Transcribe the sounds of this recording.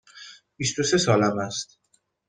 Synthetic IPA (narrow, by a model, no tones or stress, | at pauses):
b̥ist̪o̞se̞sɒːlæmæst̪̚